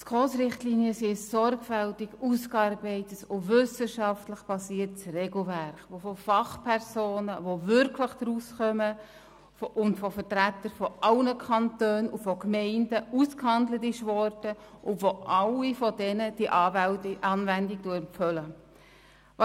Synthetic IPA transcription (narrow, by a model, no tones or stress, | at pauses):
tkʰoːsɾɪχtliːniəsisɔɾɡ̥fɛltɪɡ̥uskɑɾbɛɪtəsʊʋʏsəʃɑftləχb̥ɑsiːətsreɡl̩væɾχʋofɔfɑχpʰɛɾsoːnəʋovʏɾkʰləχd̥ɾusχœmə | ʊntfɔfəɾtɾætːəɾfɔʔɑlnəkʰɑntøːnufɔkmɛɪndəuskhɑndlətiʃʋɔrtəʔʊʋoʔɑlifɔdɛnəd̥iʔ | ɑnʋɛndikd̥umfœlə | ʋɑ